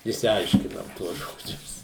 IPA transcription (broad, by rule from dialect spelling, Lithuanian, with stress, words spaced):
ɪʃʲsʲɪˈɐɪʃʲkʲɪnɐm ˈtuɔs ˈʒoːd͡ʒʲʊs